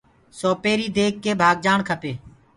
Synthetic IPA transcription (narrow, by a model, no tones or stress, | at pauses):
soːpeːɾiːd̪eːkːeːbʱaːɡ̚d͡ʒaːɳkʰəpeː